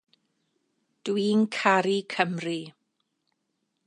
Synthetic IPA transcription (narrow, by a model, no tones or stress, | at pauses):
d̥winkʰaɾikʰəmri